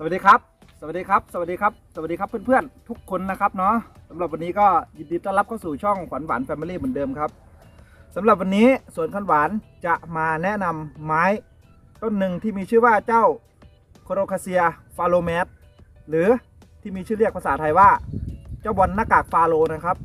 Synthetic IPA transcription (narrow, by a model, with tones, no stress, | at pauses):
sa˧˨˩t̚diː˧kʰa˦˥p̚ | sa˧wa˨˩diː˧kʰa˦˥p̚sa˧˦wt̪̚diː˧kʰa˦˥p̚sa˧˩a˨˩diː˧kʰa˦˥pʰːɯ˧˥˨npʰɯ˥˩ənt̪ʰu˦˥kʰːo˧nːa˧˥kʰa˦˥p̚nɔ˦˥sa˩˦mla˨˧˩p̚wa˧nːiː˦˥kɔː˥˩ji˧ndiː˧˩t̪aː˧˩la˦˥p̚kʰa˥˩suː˨˩t͡ɕʰɔ˥˩ŋkʰɔ˨˩˦nwa̰ː˩˦nfɛː˧miː˧liː˥˩mɯː˨˩˦ndɤː˧mkʰa˦˥p̚sa˩˦mla˨˩p̚wa˧nːiː˦˥su˨˩ənkʰa˧˥˩nwaː˨˦nt͡ɕa˨˩ʔmaː˧nɛ˦˥ʔna˧mːaː˦˥j | t̪o˧˥˩nːɯ˨ŋt̪ʰiː˥˩miː˧t͡ɕʰɯː˥˩waː˧˩t͡ɕa˥˩w | kʰo˧ɾoː˧kʰaː˧si˧ɐfaː˧loː˧mɛː˦˥t̪̚ | lɯː˨˦ | t̪ʰiː˥˩miː˧t͡ɕʰɯː˥˩li˥˩ək̚pʰa˧saː˩˦t̪ʰa˧jwaː˥˩t͡ɕaː˥˩wbɔ˧nːaː˧˩kaː˨˩k̚faː˧loː˧na˧˩kʰa˦˥p̚